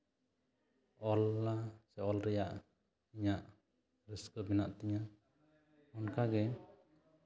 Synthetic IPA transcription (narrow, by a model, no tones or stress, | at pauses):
ɔlːasɛɔlɾɛjaʔ | iɲaʔ | ɾiskɔbɛnaʔt̪iɲa | ɔnkaɡɛ